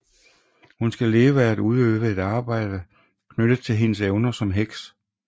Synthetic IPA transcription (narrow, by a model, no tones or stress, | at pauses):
hunsɡ̥æle̝ːʊəææd̥uð̞ˠøːʋəe̝d̥ɑ̈ːb̥ɑ̈ɪ̰d̥ə | kʰnøɾ̥ət͡sʰe̝lɦe̝nəseʊnɐsɒ̽mɦeɡ̥s